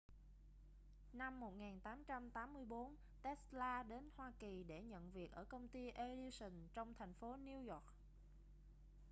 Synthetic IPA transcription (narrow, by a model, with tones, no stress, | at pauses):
na˧mːo˨˩t̚ŋaː˨˩nt̪aː˨˦mt͡ɕa˧mt̪aː˨˦mːɨ˧əjɓo˨˦n | t̪ɛ˦˥slaː˧ɗe˨˦nhwaː˧ki˨˩ɗe˧˩ɲə̰˧˨nvi˨˩ək̚ʔəː˧˩kə˧wŋ͡mt̪i˧ʔe˧li˧sï˨˩ŋt͡ɕɔ˧wŋ͡mt̪ʰa˨˩jŋ̟fo˨˦ni˧əwjɔ˨˩k̚